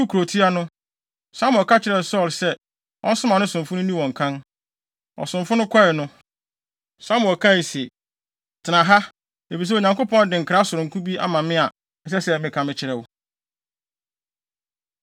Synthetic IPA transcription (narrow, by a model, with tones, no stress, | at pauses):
u˦kʰɾo˨tʰi˦a˦nʊ̃˦ | sa˦m˨ɔ˨kʰa˦t͡ɕʰɪ˨ɾɛ˨sɔ˦˨lsɛ˦ | ʔɔ̰˦n̩˦sʊ̃˦mã˨nʊ̃˦sʊ̃˨m˨fʊ˦nʊ̃˦nĩ˦wɔ̃˨ŋ̩˨kʰã˦n | ɔ̰˨sʊ̃˨ɱfʊ̃˦nʊ̃˦kʰɔ˦ɪ˨nʊ̃˦ | sa˦m˨ɔ˨kʰa˦˨i˨se˨ | tʰɪ˨nã˨ɦa˦ | e˨fi˨s̬ɛ˦o˨ɲã˨ŋkʊ˦pʰɔ̃˦n˦dɪ̃˨ŋ̩˨kʰɾa˨˦sʊ˨ɾʊ̃˨ŋ̩˨kʰũ˦bi˦ʔa˦mã˨mɪ̃˦a˨ | ɛ˨s̬ɛ˦sɛ˨mɪ̃˨kʰã˦mɪ̃˨t͡ɕʰɪ˨ɾɛ˨wʊ˦